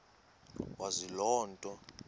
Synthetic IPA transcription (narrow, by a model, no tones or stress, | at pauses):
wazilɔːntʼɔ